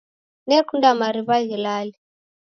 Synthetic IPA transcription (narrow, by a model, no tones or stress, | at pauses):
nɛkundamaɾiβaɣilali